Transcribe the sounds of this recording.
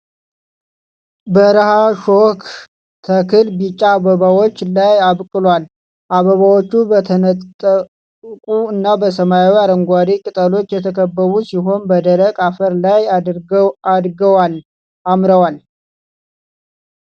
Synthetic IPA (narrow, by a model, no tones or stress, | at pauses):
bəɾəhaʃok | t̪ʰəkʰɨlbit͡ʃʼːabəβawo̞t͡ʃːlajaβkʼɨlwal | ʔaβəβawot͡ʃːubət̪ʰənət̪ʼːə | kʼuɨnːabəsəmajawiaɾəŋɡʷaɾikʼɨt̪ʼəlo̞t͡ʃːjɛt̪ʰəkʰəbːəβusiɦo̞nbəd̪əɾəkʼafəɾlajɾad̪ɡəwal | amɾəwal